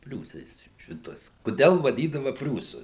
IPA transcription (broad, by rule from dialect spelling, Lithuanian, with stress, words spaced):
ˈpʲrʲuːsɐɪs ˈʃʲɪtuɔs kʊˈdʲɛlˠ ʋɐˈdʲiːdɐʋɐ ˈpʲrʲuːsʊ